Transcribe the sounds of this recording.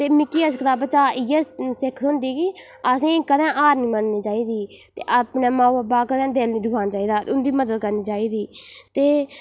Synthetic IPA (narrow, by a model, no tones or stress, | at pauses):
t̪eːmɪkiːəskɪt̪aːbət͡ʃaːɪjɛːsɪk̪ʰɦʊ̃nd̪iːkɪəsĩːkəd̪ɛ̃ːʔaːɾnĩːmənniːt͡ʃaːiːd̪iːtt̪eːʔapneːmãːəbaːkəd̪ɛ̃ːd̪eːlniːd̪ʊkʰaːnt͡ʃaːiːd̪aːʊnd̪iːməd̪əd̪̚kəɾniːt͡ʃaːiːd̪iːt̪eː